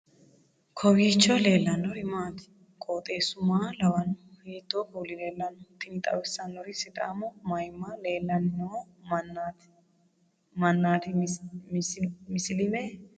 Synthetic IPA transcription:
kʰɔwiːt͡ʃːɔle̞ːlːɐnɔɾɪmaːt̪ɪ̥ | kʼoːt̪ʼe̞ːsʊmaːlɐwɐnʊheːt̪ːokuːlɪleːlːɐnɔt̪ːɪnt̪ʼɐ̰wɛsːɐnːɔɾɪsɪt̪ʼa̰ːmɔmɐjmːaleːlːɐnːon | mɐnːaːt̪ɪ | mɪsɪlɪmɛ

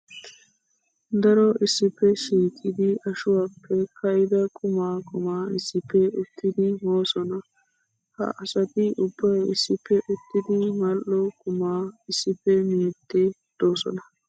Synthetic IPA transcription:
d̪ɐɾɔɪsːɪpːɛʃiːkʼɪd̪ɪɐʃʊwaːpʰːɛkɐjɪd̪ɐkʼʊmaːkʼʊmaːɪsːɪpːɛʊt̪ːɪd̪ɪmoːsɔnɐ | hɐ̰ʔɐsɐt̪ɪʔʊbːɐjɪsːɪpːɛʔʊt̪ːɪd̪ɪmɐlʔɔkʼʊmaːɪsːɪpːɛmiːt̪ːed̪̥o̞ːsɔ̰nɐ

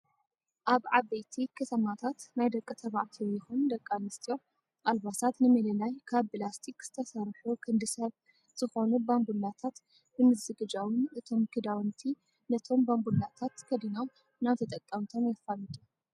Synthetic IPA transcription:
ʔaβʕaβejt̪ʰikʰɐt̪ʰɐmat̪ʰat̪najd̪ɐkʼːɨt̪ʰɐβaʕt̪ʰijɪxund̪ɐkʼːanɨst̪ʰʼijo̞ | ʔalβasat̪nɨmɐlɐlajkʰaβːɨlast̪ʰikz̥ɨt̪ʰɐsɐɾħukʰɨnd̪ɨsɐβ | z̥ɨxo̞nubambulːat̪ʰat̪ | bɨmɨzɨɡɨd͡ʒawɨnɨt̪ʰo̞mkʰɨd̪awnt̪ʰi | nɐt̪ʰo̞mbambulːat̪ʰat̪kʰɐd̪inaw | naβt̪ʰɐt̪ʼɐkʼːɐmt̪ʰo̞mjafːalɨt̪ʼu

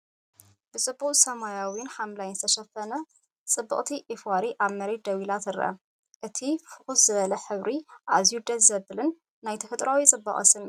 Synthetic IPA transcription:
b̥ɨt͡sʼɨbːuχʼsɐmajawinħamlajnzɨ̥t̪ʰɐʃɐfɐnɐ | t͡sʼɨbːɨ̰χʼt̪ʰiʔefwaɾiʔaβmɐɾed̪ɐwilat̪ʰɨɾʔɐ̰ | ʔɨt̪ʰifɨxuszɨβɐlɐħɨβɾiʔazijud̪ɐt̪zɐbɨlɨnː | ajt̪ʰɐfɐt̪ʼɾʔawit͡sʼɨbːɐ̰χʼɐ̰sɨm

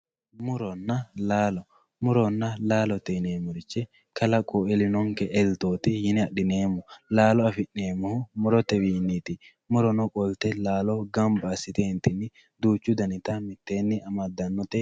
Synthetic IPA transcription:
mʊɾɔnːɐlaːlɔ | mʊɾɔnːɐlaːlɔt̪ːɛneːmːɔɾɪt͡ʃːɛ | kɐlɐkʼoɛlɪnɔŋkɛʔɛlt̪o̞ːt̪ɪjɪnɪɐɗɪneːmːɔlaːlɔɐfɪnːeːmːʊhʊmʊɾɔt̪ːɛwiːnːiːt̪ɪ | mʊɾɔnɔkʼɔlt̪ɛlaːlɔɡɐmbɐːsɪt̪ent̪ɪnːɪ | d̪uːt͡ʃːʊd̪ɐnɪt̪ɐmɪt̪ːeːnːɪɐmɐd̪ːɐnːɔt̪ɛ

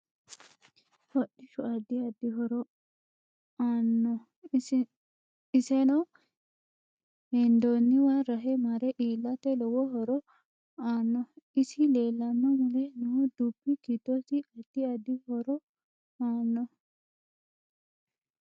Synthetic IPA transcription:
hɔɗɪʃʊɐd̪ːɪɐd̪ːɪɦɔɾɔ | aːnːɔ | ɪsɛnɔ | hɛnd̪onːɪwaɾɐɦɛmɐɾɛʔiːlːɐt̪ɛlɔwɔɦɔɾɔ | aːnːɔɪsɪle̞ːlːɐmːɐmʊlɛnɐhɔd̪upːɪkit̪ːɔsɪɐd̪̥ːɪɐd̪ɪhɔɾɔ | aːnːɔ

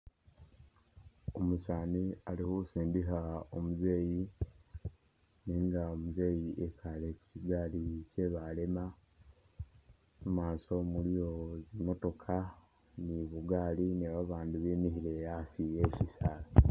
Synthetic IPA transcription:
omusaːnialihousiːndiɦao̞̰muze̞ːji | niːŋɡaomuze̞ːjiʔe̞kʰale̞ku̥ciɡaːlice̞βale̞ma | mumaːso̞mulijo̞zimo̞to̞kʰa | niβuɡaːliniβaβaːndiβemihiɾe̞jasije̞cisaːla

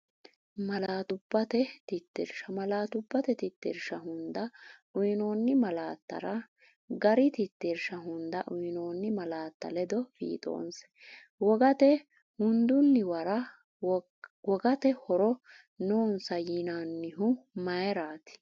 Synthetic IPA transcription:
mɐlaːt̪ʊbːɐt̪ɛt̪ɪt̪ːɛɾʃɐmɐlaːt̪ʊbːɐt̪ɛt̪ɪt̪ːḛːɾʃɐɦʊnd̪ɐʔʊjɪno̞ːnːɪmɐlaːt̪ːɐ̰ɾɐ | ɡɐɾɪt̪ɪt̪ːeɾʃɐɦʊnd̪ɐʔʊjnoːnːɪmɐlaːt̪ːɐ̰lɛd̪ɔfḭːt̪ʼo̰ːns | wɔɡɐt̪ɛ | hʊnd̪ʊnːɪwɐɾɐ | wɔɡɐt̪ɛhɔɾɔ | noːnsɐjinaːnːɪɦʊmɐjɛɾaːt̪ɪ̥

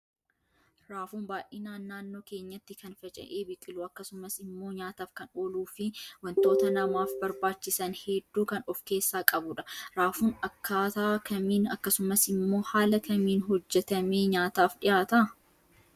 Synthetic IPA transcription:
ɾaːfuːnbaːʔiːnaːnːaːnːo̞ːkeːɲːɐt̪ːɪkɐnfɐt͡ʃʼɐ̰ʔeːbɪkʼːɪluːɐkːɐsʊmɐsɪmːo̞ːɲaːt̪aːfkɐnoːluːfɪwɐnt̪o̞ːt̪ɐnɐmaːfbɐɾbaːt͡ʃːɪsɐnhɛd̪ːuːkɐnɔfke̞ːsːaːkʼɐbʊᶑɐ̥ɾaːfuːnɐkːaːt̪aːkɐmiːnɐkːɐsʊmɐsɪmːo̞ːhaːlɐkɐmiːnɦɔd͡ʒːɛt̪ɐme̞ːɲaːt̪aːfɗɪjaːt̪ɐ

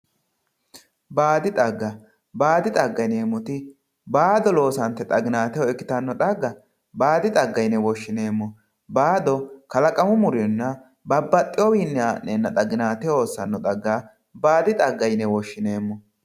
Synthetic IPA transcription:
baːd̪ɪt̪ʼɐɡːɐ | baːd̪ɪt̪ʼɐɡːɐjne̞ːmːɔt̪ɪ | baːd̪ɔlo̞ːsɐnt̪ːɛt̪ʼɐɡɪnaːt̪ɛjɔɛkːɪ̥t̪ɐnːɔt̪ʼɐɡːɐ | baːd̪ɪt̪ʼɐɡːɐjnɛwɔʃːɪne̞ːmːɔ | baːd̪ɔkɐlɐkʼɐmʊmʊɾɪnːɐ | bɐbːɐt̪ʼːɪjɔwiːnːɛaːʔeːnːɐt̪ʼɐɡɪnaːt̪ɛoːsːɐnːɔd̪ʼɐɡːa | baːd̪ɪt̪ʼɐɡːɐjnːɛwɔʃːɪne̞ːmːɔ

